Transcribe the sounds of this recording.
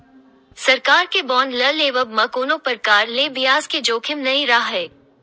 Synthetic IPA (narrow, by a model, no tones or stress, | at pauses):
sɐɾkaːɾkebɔːnlɐleːʋəbmakoːnõpɐɾkaːɾleːbijaːzked͡ʒoːkʰɪmnɐĩɾaɦɦɛː